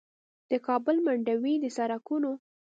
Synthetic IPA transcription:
d̪̥əkɑbʊlmaɳɖawid̪əsaɾakuno

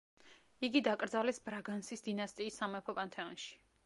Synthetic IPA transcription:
iɡid̪akʼɾd̪zalɛsbɾaɡansisd̪inast̪ʼiːsːamɛpʰɔpʼant̪ʰɛɔnʃi̥

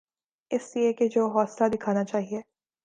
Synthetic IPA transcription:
ɪslieked͡ʒoːɦɔːslad̪ɪkʰaːnat͡ʃaːɦieː

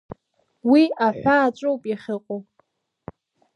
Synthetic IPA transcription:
wiaħʷaːt͡ʃʷʼowpʼaχʲɪqʷʼow

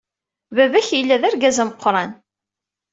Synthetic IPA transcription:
bævæçjəlːæðæɾɡæzæməqːɾˤɑn

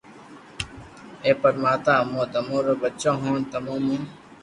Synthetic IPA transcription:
eːpɐɾmaːt̪ãːmõːd̪ɐmõːɾɐbɐtːt͡ɕõːɦõːnt̪ɐmoːmũːn

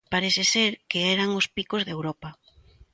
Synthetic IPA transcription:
paɾeθɪseɾkeɛɾaŋʊspikozðewɾɔpa

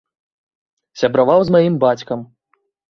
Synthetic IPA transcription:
sʲabɾavawzmajimbat͡sʲkɐm

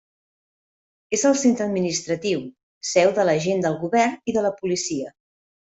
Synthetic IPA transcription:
ezəlˠsent̪ɾəd̪minist̪ɾət̪iw | sɛwðələʒend̪əlˠɣuβɛrniðələpulisiə

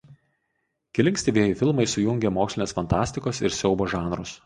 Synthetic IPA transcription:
kʲɪlʲɪŋksʲt̪ʲeʋʲiɛjɪfʲɪlˠmɐɪsʊjʊŋʲɡʲɛmoːksʲlʲɪneːsfɐnt̪ɑːsʲt̪ʲɪkoːsɪɾsʲɛʊboːʒɑːnɾʊs

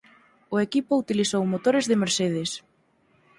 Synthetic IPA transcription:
ʊekipʊut̪ilisowmot̪oɾezðɪmeɾseð̞es

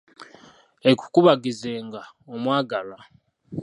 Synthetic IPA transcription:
eku̥kuβaɡizeːŋɡa | omwaːɡala

